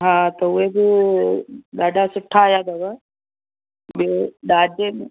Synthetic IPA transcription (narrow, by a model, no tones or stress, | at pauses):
ɦãːt̪ɐʊɦebɪ | ɗaːɖʱasʊʈʰːaːjad̪ɐʋɐ | beɗaːd͡ʒemẽ